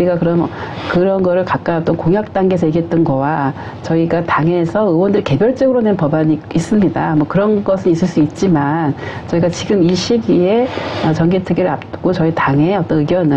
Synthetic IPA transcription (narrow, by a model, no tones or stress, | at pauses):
iɡakɯɾʌmkɯɾʌnɡʌɾɯɭkak͈aʌt͈ʌnkoŋɦjak̚t͈aŋɡesʰʌiɡet̚t͈ɯnɡʌwa | t͡ɕʌiɡataŋe̞sʰʌɯwʌndɯɾike̞bjʌɭt͡ɕ͈ʌɡɯɾonenpʌbaɲiis͈ɯmɲidamʌkɯɾʌnɡʌsʰɯnis͈ɯɭs͈uit̚t͡ɕ͈imant͡ɕʌiɡat͡ɕiɡɯmiɕʰiɡie̞ʌt͡ɕʌŋɡetʰɯɡiɾɯɾap̚ɡ̥͈ot͡ɕʌitaŋe̞ʌt͈ʌnɯɡjʌnɯ